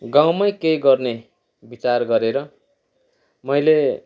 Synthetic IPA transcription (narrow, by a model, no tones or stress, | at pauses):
ɡaw̃mʌjkejɡʌrne | bit͡sarɡʌɾeɾʌ | mʌjle